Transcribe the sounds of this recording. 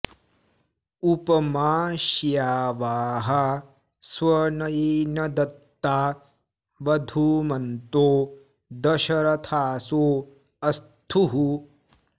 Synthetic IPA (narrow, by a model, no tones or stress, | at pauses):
upɐmaːʃjaːʋaːɦɐ | swɐnɐjeːnɐd̪ɐt̪ːaː | ʋɐd̪ʱuːmɐnt̪oː | d̪ɐʃɐɾɐt̪ʰaːsoː | ɐst̪ʰuɦu